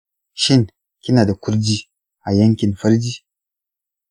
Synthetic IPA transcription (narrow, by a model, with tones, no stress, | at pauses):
ʃɪ˦ŋ | kʲɪ˦naː˨da˨kʷʊ˦ɾd͡ʒiː˦ | ʔa˨jɐ˦ŋkʲɪ˨nɸɐ˦ɾd͡ʒiː˦